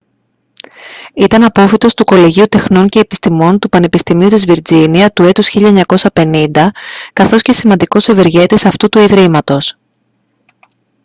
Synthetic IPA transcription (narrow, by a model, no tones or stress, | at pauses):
it̪ɐnɐpo̞fit̪o̞st̪uko̞liʝiut̪e̞xno̞ɲce̞ːpi̥st̪imo̞nt̪upɐne̞pist̪imiut̪izviɾd͡ziniɐt̪ue̞t̪usçiʎɐeɲɐko̞sɐpe̞nind̪ɐkɐθo̞sce̞simɐnd̪iko̞seve̞ɾʝe̞t̪isɐft̪ut̪uiðɾimɐt̪o̞s